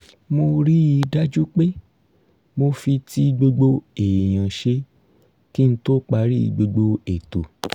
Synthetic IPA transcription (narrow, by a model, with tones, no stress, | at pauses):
mo˧ɾi˦i˧da˦d͡ʒu˦k͡pe˦ | mo˧fi˧ti˦ɡ͡bo˧ɡ͡bo˧e˨j̃ã˨ʃe˧ | ki˦n̩˦to˦k͡pa˧˦ɾḭ˦˧ɡ͡bo˧ɡ͡bo˧e˨to˨